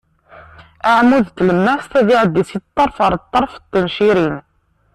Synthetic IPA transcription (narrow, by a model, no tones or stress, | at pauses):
ʔaʕmuðt̪ləmːæst̪æðiʕəd̪ːisit̪ˤːɑɾˤfɑɾˤt̪ˤːɑɾˤft̪ːənʃiɾin